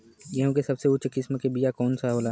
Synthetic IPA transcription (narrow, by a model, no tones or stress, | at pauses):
jɐɦũkesɐbseʊt͡ʃkɪsmkebijakɔːnsaɦoːlaː